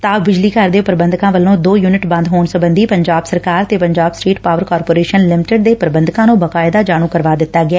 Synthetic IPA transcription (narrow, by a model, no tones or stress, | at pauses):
t̪aːbɪd͡ʒliːkəɾd̪eːpəɾbənd̪kãːʋəlːõːd̪oːjuːnɪʈbə̃nd̪ɦoːɳsəbənd̪iːpəɲd͡ʒaːbsəɾkaːɾt̪eːpəɲd͡ʒaːbsʈiːʈpaːʋəɾkaːɾpoːɾeːʃənlɪmɪʈəɖd̪eːpəɾbənd̪kãːnũːbəkaːɪd̪aːd͡ʒaːɽ̃ũːkəɾʋaːd̪ɪt̪ːaːɡɪɛː